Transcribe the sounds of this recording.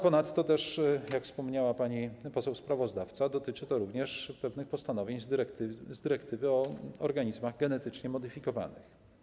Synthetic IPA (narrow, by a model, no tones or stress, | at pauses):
pɔnat̪ːɔt̪ɛʂjakfspɔmɲawapaɲipɔsɛwspɾavɔzd̪aft̪sad̪ɔt̪ɘt͡ʂɘt̪ɔɾuvɲɛʂpɛvnɘxpɔst̪anɔvʲjeɲzɾɛt̪zd̪ɘɾɛkt̪ɘvɘɔɔ̰ɾɡaɲizmaɣɡɛnɛt̪ɘt͡ʂɲɛmɔd̪ɘfʲikɔva̰nɘ̰x